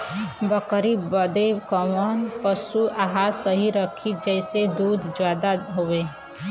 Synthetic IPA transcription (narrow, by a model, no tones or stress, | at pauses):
bəkəɾibəd̪ekəmɔːnpəsuʔaɦasəɦiɾəkʰid͡ʒɛɪsed̪uːd̪ʱd͡ʒjaːd̪aɦoeː